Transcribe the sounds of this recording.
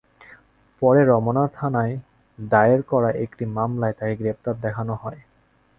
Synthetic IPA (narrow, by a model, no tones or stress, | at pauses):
pɔɾeɾɔmonaɾt̪ʰanae | d̪ajeɾkɔɾaʔekʈimamlaet̪akeɡɾep̚t̪aɾd̪ɛkʰanoɦɔe